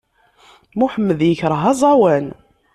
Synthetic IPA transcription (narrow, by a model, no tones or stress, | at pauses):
muħəmːəðjəçɾˤəɦɑzˤɑwæn